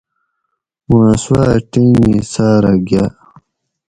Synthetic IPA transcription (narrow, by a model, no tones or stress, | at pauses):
mãːswaːʈinisaːɾaɡa